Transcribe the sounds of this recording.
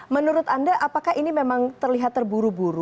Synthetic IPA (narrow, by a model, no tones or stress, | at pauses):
mənuɾʊt̪andaʔapakahinimemaŋt̪ərliɦat̪ːərbuɾubuɾu